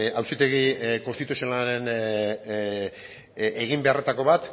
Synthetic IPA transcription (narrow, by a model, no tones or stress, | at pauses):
awsit̪e̞ɣikonst̪it̪usionaɾe̞n | eɣimbe̞are̞t̪ako̞βat̪